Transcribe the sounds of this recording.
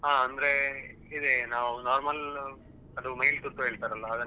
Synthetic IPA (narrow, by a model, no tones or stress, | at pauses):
ɦaːɐnd̪ɾe̞ | id̪enaːʋunaːɾmɐl | ɐd̪umɐɦilt̪uʈ̪ːuɦeːɭt̪aːɾɐlʋɐːd̪ɐ